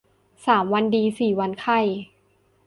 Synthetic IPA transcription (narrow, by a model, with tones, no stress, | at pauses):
saː˩˦mwa˧ndiː˧siː˨˩wa˧nkʰa˧˩j